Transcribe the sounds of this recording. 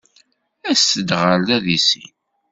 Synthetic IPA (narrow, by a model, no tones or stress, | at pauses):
æsəd̪ʁəld̪æðisḭn